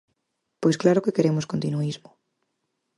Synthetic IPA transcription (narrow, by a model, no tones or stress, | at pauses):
pojsklaɾʊkekeɾemʊskont̪inuizmʊ